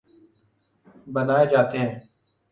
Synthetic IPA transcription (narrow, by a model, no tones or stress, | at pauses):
bənaːeːd͡ʒaːt̪eɦɛ̃ː